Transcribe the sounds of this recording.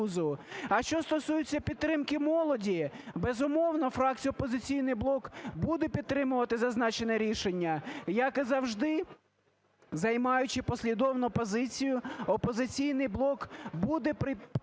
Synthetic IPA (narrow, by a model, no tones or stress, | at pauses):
zʊɐʃt͡ʃɔst̪ɔsujʊt͡sʲːɐpʲidt̪ːɾɪmkɪmɔlˠɔdʲibezʊmɔwnɔfɾɑk̚t͡sʲijʊɔpɔzɪt͡sʲijnɪjblˠɔkbud̪ɛpʲid̪t̪ːɾɪmʊʋɐt̪ɪzɐznɑt͡ʃenɛɾʲiʃenʲːɐjɐkɪzɐwʒd̪ɪ | zɐjmɑjʊt͡ʃɪpɔsʲlʲid̪ɔwnʊpɔzɪt͡sʲijʊɔpɔzɪt͡sʲijnɪjblˠɔkbud̪ɛpɪ